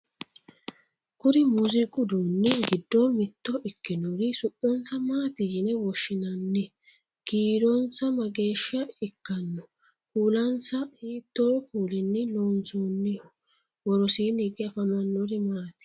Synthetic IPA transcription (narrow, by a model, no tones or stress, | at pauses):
kʊɾɪmʊzɪkʼʊd̪onːɪɡɪd̪ːɔmɪt̪ːɔʔɪkːɪnɔɾɪsʊpːɔnsɐmaːt̪ɪjɪnɛwɔʃːɪnɐnːɛ | ɡ̥iːdɔnsɐmɐɡe̞ːʃɐɪkːɐnːɔ | kuːlɐnsɐhiːt̪ːoːjkuːlɛnːɪloːnsoːnːɪɔ | wɔɾɔsiːnɪɡɪɐfɐmɐnːɔɾɪmaːt̪ɪ̥